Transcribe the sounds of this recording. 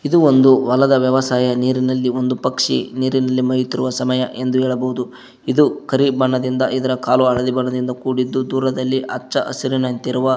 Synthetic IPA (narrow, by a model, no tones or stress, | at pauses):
id̪uond̪uʋɐlɐd̪ɐʋjɐʋɐsaːjɐniːɾinɐlːiond̪upɐkʂḭniːɾinɐlːimɐjut̪iɾuʋɐsɐmɐjɐʔe̞nd̪uɦɛːɭɐbɐɦud̪u | id̪ukɐɾibɐɳːɐd̪ind̪ɐʔid̪ɐɾɐkaːluɐɭɐd̪ibɐɳːɐd̪ind̪ɐkuːɽid̪ːud̪uːɾɐd̪ɐlːiʔɐt͡ʃːt͡ʃːɐʔɐ̰siɾinɐnt̪iɾuʋɐ